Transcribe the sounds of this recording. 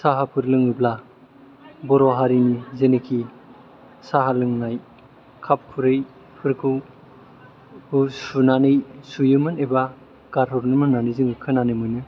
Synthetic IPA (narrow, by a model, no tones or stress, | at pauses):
saɦapʰɯɾlɯŋɯbla | bɔɾoɦaɾinizenekʰi | saɦalɯŋnaj | kʰap̚kʰuɾɯj | pʰɯɾkʰɯ | husunanɯjsujɯmɯneba | kaɾʰɔɾnɯmɯnːanɯjzɯŋɯkʰɯnanɯjmɯjnɯ